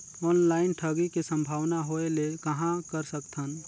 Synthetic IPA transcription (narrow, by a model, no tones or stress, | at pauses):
ɔːnlaːɪnʈʰəɡikisə̃mbʱaːʋnaɦoelekəɦãkəɾsəkt̪ʰən